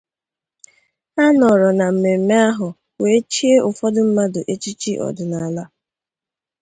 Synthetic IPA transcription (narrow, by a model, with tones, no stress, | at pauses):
a˦nɔ˨ɾɔ˨na˨m̩˨me˨m̩˨me˦a˦ɦʊ˨ | we˨e˦t͡ʃi˦e˦ʔʊ˨fɔ˦dʊ˦m̩˦ma˦do˨ʔe˦t͡ʃi˦t͡ʃi˦ʔɔ̰˨dʊ˨na˨la˦